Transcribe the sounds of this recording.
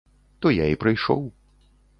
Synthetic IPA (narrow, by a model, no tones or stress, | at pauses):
t̪ɔjaipɾɨjʂɔ̰w